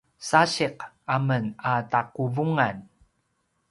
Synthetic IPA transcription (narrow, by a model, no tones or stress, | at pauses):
saɕiq | amənataquvuŋan